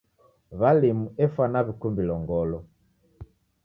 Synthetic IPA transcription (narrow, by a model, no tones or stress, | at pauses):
βalimuɛfwanaβikumbilɔŋɡɔlɔ